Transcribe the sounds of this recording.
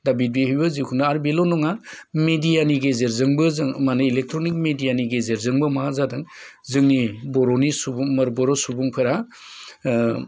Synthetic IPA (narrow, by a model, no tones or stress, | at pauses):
dabit̚beɦibɯzikʰundɯaɾbelɔnɔŋamedijaniɡezeɾzɯŋbɯzmanɯilek̚tʰɾonik̚medijaniɡezeɾzɯŋbɯmaazadɯŋ | zɯŋnibɔɾɔnisubmɐɾbɔɾɔsubuŋpʰɯɾa